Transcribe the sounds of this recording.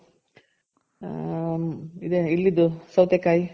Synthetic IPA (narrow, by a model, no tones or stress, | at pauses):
id̪eilːid̪usɐwt̪jɐkaːji